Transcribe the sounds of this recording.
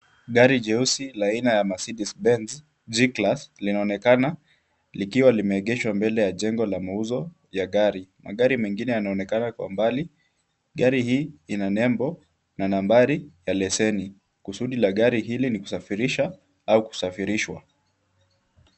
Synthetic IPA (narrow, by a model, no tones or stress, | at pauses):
ɠaɾiʄɛusilainajamasiɗisbɛnz | d͡ʒiklaslinaɔnɛkana | likiwalimɛːɠɛʃwambɛlɛjaʄɛŋɡɔlamauzɔ | jaɠaɾima̰ɠaɾimɛŋɡinɛjanaɔnɛkanakwa̰mbali | ɠaɾihiːinanɛmbɔ | nanambaɾijalɛsɛni | kusuɗilaɠaɾiɦiliniku̥safiɾiʃa | auku̥safiɾiʃwa̰